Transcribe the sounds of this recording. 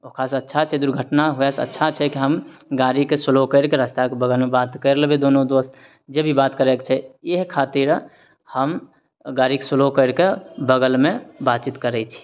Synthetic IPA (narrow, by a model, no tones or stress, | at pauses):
okʰaːsɐtːʃʰat͡ʃʰɛd̪ʊɾɡʱəʈnaɦʊjasə̰tːʃʰat͡ʃʰɛkiɦəmɡaːɾikesʊlokəɾkeɾəst̪akebəɡəlmebaːt̪kəɾlebed̪oːnõd̪oːst̪ | d͡ʒebʱibaːt̪kəɾekt͡ʃʰɛjeɦkʰːaːt̪iɾ | həm | ɡaːɾikesʊlokəɾkebəɡəlmẽbaːt̪t͡ʃit̪kəɾət͡ʃʰi̥